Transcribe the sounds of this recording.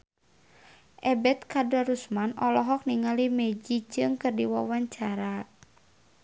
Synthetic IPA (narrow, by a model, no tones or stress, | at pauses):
ʔɛbɛt̪̚kadaɾusmanɔlɔɦɔk̚niŋalimɛd͡ʒid͡ʒɨŋkɨrdiwawaɲt͡ʃaɾa